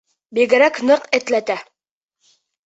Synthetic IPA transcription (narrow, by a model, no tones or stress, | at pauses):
biɡɘ̆ɾæknɤqɘ̆t̪læt̪æ